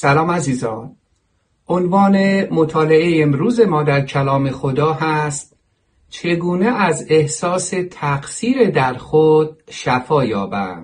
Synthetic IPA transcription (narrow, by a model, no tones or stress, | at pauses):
sælɒːmæziːzɒːn | ʔonvɒːnemot̪ʰɒːleejemɾuːze̞mɒːd̪æɾcʰælɒːme̞xod̪ɒːɦæst̪ | t͡ʃʰe̞ɡuːneʔæze̞hsɒːse̞t̪ʰæɡsiːɾed̪æɾxod̪̥̚ʃæfɒːjɒːbæ̰m